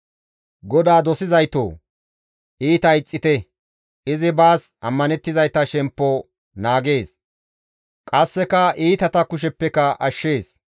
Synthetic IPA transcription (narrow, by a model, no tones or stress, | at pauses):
ɡɔd̪aːd̪ɔsɪzɐjt̪o̰ː | iːt̪ɐɪt͡sʼːɪt̪ɛ | ɪzɪbaːsʔɐmːɐnɛt̪ːɪzɐjt̪ːɐʃɛmpːo | naːɡe̞ːs | kʼɐsːɛkɐʔiːt̪ɐt̪ɐkʊʃ̬ɛpːɛkɐʔɐʃːe̞ːs